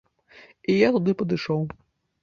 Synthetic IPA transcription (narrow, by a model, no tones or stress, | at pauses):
ijat̪ud̪ɪpɐd̪ɨjʃɔw